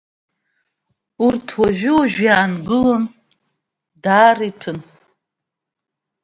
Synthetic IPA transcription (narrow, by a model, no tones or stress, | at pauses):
urtʰwaʒʷᶣɪuʒᶣjaːnɡɨlon | daːritʰɨn